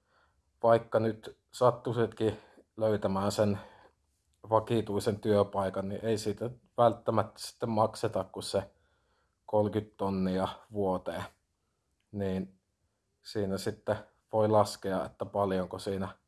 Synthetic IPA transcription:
ʋɑikːɑnyt̪ | sɑt̪ːusit̪ki | løyt̪æmæːnsen | ʋɑkit̪uisent̪yøpɑˑikɑnnḭʔeisiːt̪æ | ʋælt̪ːæmæt̪ːæ̥si̥t̪ːemmɑkset̪ɑkkusse | kolkyt̪t̪onːiɑʋuot̪eː | niːn | siːnæsit̪ːe | ʋoilɑskeɑʔḛt̪ːæpɑljoŋkosiːnæ

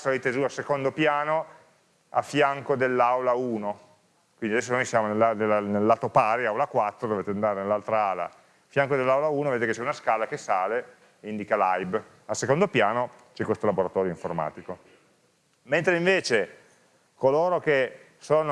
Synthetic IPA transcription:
saejt̪ezuasekond̪opjaːno | a̰fːjaŋkod̪elːawlauːno | kwindiad̪ɛsːonojsjaːmonelːanelːanelːaːt̪opaːɾiawlakwat̪ːɾod̪ovet̪eand̪aːɾenelːalt̪ɾaaːla̰ | fjaŋkod̪elːawlauːnoved̪et̪eket͡ʃɛunaskaːlakesaːle | ind̪ikalajb | asːekond̪opjaːno | t͡ʃɛkwest̪olaboɾat̪ɔːɾjoiɱforma̰ːt̪iko | ment̪ɾeiɱveːt͡ʃe | koloːɾoke | soːno

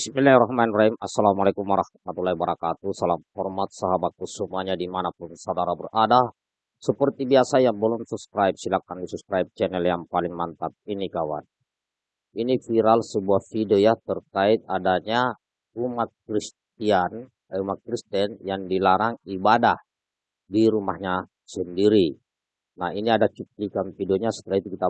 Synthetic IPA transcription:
bismilahraɦmanrahimasːalamalakumwaɾahmat̪ulahibaɾakat̪usalamhɔrmat̪̚saɦabat̪̚kusumuaɲadimanapunsawdaɾabərʔada | səpərt̪ibiasajaŋbəlɔmsup̚skɾajp̚silakandisupskɾajp̚t͡ʃɛnɛljaŋpalɪŋmant̪at̪̚inikawa̰n | inifiɾalsəbuahfidojat̪ərkait̪̚adaɲa | umat̪̚kɾist̪ian | umat̪̚kɾist̪ɛnjaŋdilaɾaŋibadah | diɾumahɲa | səndiɾi | nahiniadat͡ʃup̚likanfidoɲasə̥t̪ilait̪ukit̪a

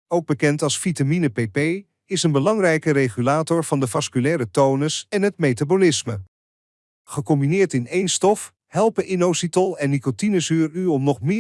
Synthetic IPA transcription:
owɡ̚bəkɛntɑlˠsfitaminəpepej | ɪsənbəlɑŋrɛjkərejχylaːtɔɹv̥ɑndəvɑskylɛːɾətownəsɛnɦətmejtabolɪsmə | χəkɔmbinɪːɹtɪnejnstɔf | hɛlˠpəʔɪnowsitəlˠɛnːikotinəzyːɹyɔmnɔχmɪː

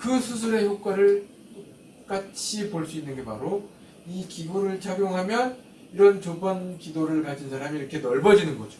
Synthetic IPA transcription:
kɯsʰus̬ʰuɾe̞çjok̚k͈waɾɯɭ | t͈o | k͈at͡ɕʰipoɭs͈uinːɯnɡe̞paɾo | ikiɡuɾɯɭt͡ɕaɡjoŋɦamjʌn | iɾʌnt͡ɕobʌnkidoɾɯɭkad͡ʑinsʰaɾamiːɾʌkʰe̞nʌɭbʌd͡ʑinɯnɡʌd͡ʑo

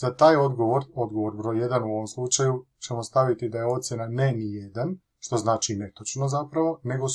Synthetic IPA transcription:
zat̪aːjo̞d̪ɡo̞ʋo̞ɾo̞d̪ɡo̞ʋoɾbɾo̞jjed̪anuo̞ʋo̞mslˠut͡ʃaju | t͡ʃe̞mo̞st̪aʋit̪id̪ajeo̞t̪sje̞nanenijed̪an | ʃt̪o̞znaːt͡ʃine̞t̪ot͡ʃno̞zapɾaʋo̞ne̞ɡo

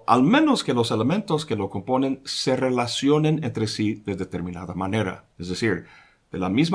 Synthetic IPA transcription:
a̰lmẽ̞noske̞lo̞se̞lemẽnt̪oskelo̞ko̞mpo̞nẽ̞nse̞re̞lasjo̞nenent̪ɾesiðeðet̪eɾmĩnaðamane̞ɾa̰ | ezðesiɾ | ð̥ela̰mizm

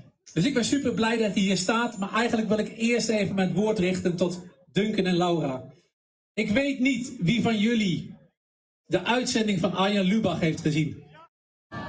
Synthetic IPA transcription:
d̥øsɪk̚bɪnsypərblɛjdatiɦiːɹstaːtmaːɹʔɛjɣəndlək̬ʋɪlˠɪkɪərsteːvənmɛjnətʋoːtrɪχtəntɔt | døŋkənɛnlawraː | ɪkʋejtnitʋivɑnjɵli | dəʔœɥtsɛndɪŋfɑnʔajɔnlybaxɦejftχəzin

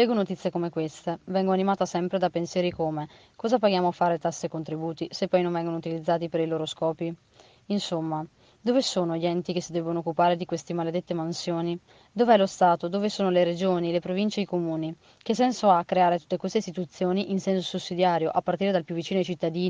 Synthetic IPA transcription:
lɛːɡonot̪it̪sːjekomekwest̪evɛŋɡoanimaːt̪asɛmpɾed̪apensjɛːɾikome | kɔːzapaɡjaːmoafaːɾet̪asːekont̪ɾibuːt̪isepːɔjnoɱvɛŋɡonout̪ilid̪zːaːt̪ipeɾiloːɾoskɔːpi | insomːa | d̪ovesoːnoʎiɛnt̪ikesːid̪ɛbonoːkːupaːɾed̪ikwest̪emaled̪et̪ːemansjoːni | d̪oveɛlost̪aːt̪od̪oːvesoːnoleɾed͡ʒoːnilepɾovint͡ʃeikomuːni | k̟esɛnsoakːɾeaːɾet̪u̥t̪ːekwest̪eist̪it̪ut̪sːjoːniʔinsɛnsosusːid̪jaːɾjoʔapːart̪iːɾed̪alpjuvːit͡ʃiːnoajt͡ʃit̪ːad̪iːni

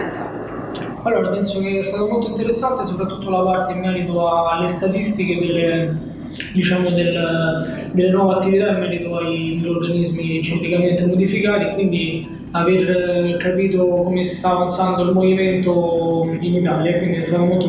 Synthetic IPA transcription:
alːoːɾapɛnsok̟eɛst̪at̪omolt̪oint̪eɾesːant̪esopɾat̪ːut̪ːolapart̪eimːɛːɾit̪̬oaːlːest̪at̪ist̪iked̪elːe | d̪it͡ʃaːmod̪el | d̪ɪlːenwɔveat̪ːivit̪aimːɛɾit̪oaid̪elːorɡanizmit͡ʃimplikament̪emod̪ifikaːt̪iekːwind̪i | averkapiːt̪okomest̪aːvant̪sand̪oilmoviment̪oinit̪aːljakwind̪iɛst̪aːt̪omolt̪o

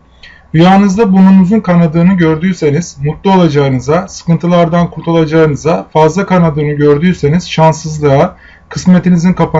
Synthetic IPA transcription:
d̪ujaːnɯzd̪abununuzunkʰanad̪ɯːnɯɟøɾd̪yːse̞niz̥mut̪lˠuo̞lˠad͡ʒaɯnɯzasɯ̥kɯnt̪ʰɯlˠaɾd̪ankʰuɾt̪ʰulˠad͡ʒaɯnɯzafazlˠakanad̪ɯːnɯɟøɾd̪yːse̞niz̥ʃansɯzlˠɯa | kʰɯsme̞t̪ʰinizinkʰapʰa

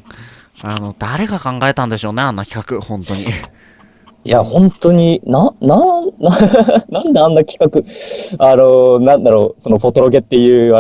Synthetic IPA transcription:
ano̞d̪̥aɾe̞ɡakãŋɡaet̪ãnd̪e̞ɕo̞ːne̞anːakʲi̥kakɯ̟hõ̞nt̪o̞ɲ̟i | jahõ̞nt̪o̞ɲ̟inãnananãnd̪eãnːakʲi̥kakɯ̟ano̞nãnd̪aɾo̞ːso̞nopo̞t̪o̞ɾo̞ɡe̞t̪ːejɯ̟ːa

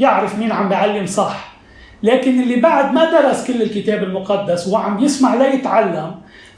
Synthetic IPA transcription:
jɪʕɾɪfmiːnʕambjʕalːɪmsˤɑħ | leːkɪnʔɪlːibaʕd̪mad̪ɑɾˤɑskɪlːɪlkɪt̪eːbɪlmʊqɑd̪ːaswʕambjɪsmaʕlajɪt̪ʕalːam

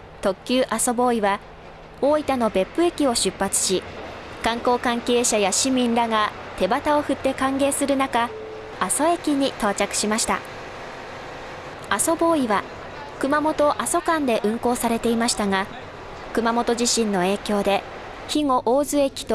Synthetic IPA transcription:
t̪o̞kʲːɨːʔaso̞bo̞ːiβa | o̞ːit̪ano̞be̞pːɯ̟e̞kʲio̞ɕɨpːat͡sɨ̥ɕikãŋko̞ːkãŋke̞ːɕajaɕimʲĩnɾaɡat̪e̞bat̪ao̞ɸɯ̟t̪ːe̞kãŋɡe̞ːsɨɾɯ̟nakaː | so̞e̞kʲiɲ̟it̪oːt͡ɕakɯ̟̥ɕimaɕi̥t̪a̰ | aso̞bo̞ːiβa | kɯ̟mamo̞t̪o̞ʔaso̞kãnd̪e̞ʔɯ̟̃ŋko̞ːsaɾe̞t̪e̞imaɕi̥t̪aŋa | kɯ̟mamo̞t̪o̞ʑiɕĩnːo̞e̞ːkʲo̞ːd̪e̞ | çiŋo̞ʔoːzɨe̞kʲi̥t̪o

